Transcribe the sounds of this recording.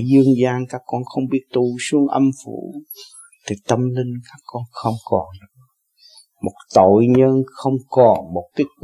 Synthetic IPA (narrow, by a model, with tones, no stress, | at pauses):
zɨ˧əŋzaː˧nkaː˦˥kːɔ˧nxə˧wŋ͡mɓi˦˥ət̚t̪u˧˩su˨˦əŋʔə˧mfṵ˧˩˦ | t̪ʰi˨˩t̪ə˧mlï˧ŋ̟kaː˦˥kːɔ˧nxə˧wŋ͡mkɔ˨˩n | mo˨˩t̚t̪o̰˧˨jɲəː˧nxə˧wŋ͡mkɔ˨˩nmo˨˩t̚ki˦˥t̚k